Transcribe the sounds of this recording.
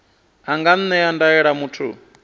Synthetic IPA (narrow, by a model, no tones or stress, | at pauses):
aŋɡan̩nɛandaɛɺamutʰṵ